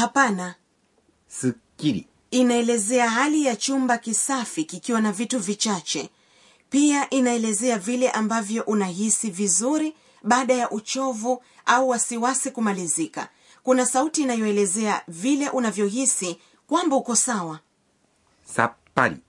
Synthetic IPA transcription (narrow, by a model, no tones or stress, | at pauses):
hapana | sikiɾi | inaɛlɛzɛaɦalijat͡ʃumbakisafikikiwanavituvit͡ʃat͡ʃɛ | piaʔinaɛlɛzɛavilɛʔambavjɔʔunaɦisivizuɾi | ɓaːɗajaʔut͡ʃɔvu | auwasiwasikumalizika̰ | kunasautiːnajɔɛlɛzɛavilɛʔunavjɔɦisi | kwambahukɔsawa | sa̰pa̰ɾḭ